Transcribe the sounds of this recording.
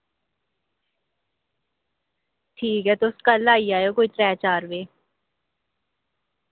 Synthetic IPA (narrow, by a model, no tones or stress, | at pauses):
ʈʰiːkɦɛːt̪oʊskəlaːiaːjoːkoːiːʈɾɛːt͡ʃaːɾʋeː